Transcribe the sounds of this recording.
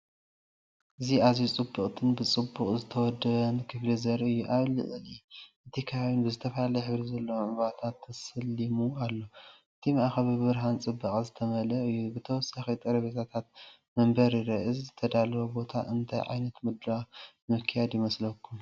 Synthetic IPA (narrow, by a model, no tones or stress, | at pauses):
ʔɨziazjut͡sʼɨbːukʼt̪ʰɨnbɨt͡sʼɨbːukʼzɨt̪ʰɐwɔd̪ːɐβɐnɨkʰɨɡlizɐɾɨjːuʔaβlɨ̰ʔɨliʔɨt̪ʰikʰaawunbɨzɨt̪ʰɐflalɐjħɨβɾizɐlːɐwʕʊβat̪ʰat̪ʰːɐsɨlːimualːo̞ʔɨt̪ʰimɐʔaxɐβibɨβɨɾɦant͡sʼɨbːɐkʼzɨt̪ʰɐmɐlɐɨjːubɨt̪ʰɐwɔsaxit̪ʼɐɾɐβet̪ʰat̪ʰat̪̚ | mɐmbɐɾiɾɐʔɨzzɨt̪ʰɐd̪alɐɾobo̞t̪ʰa̰ʔɨnt̪ʰa̰jʕa̰jnɐt̪mɨd̪ɾa | mɨkʰːijad̪jɪmɐslɐkʰːum